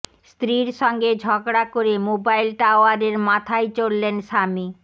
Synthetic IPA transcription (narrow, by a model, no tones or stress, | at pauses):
st̪ɾiɾʃɔŋɡed͡ʑʱɔɡɽakoɾemobajlʈaoaɾeɾmat̪ʰajt͡ɕolːenʃami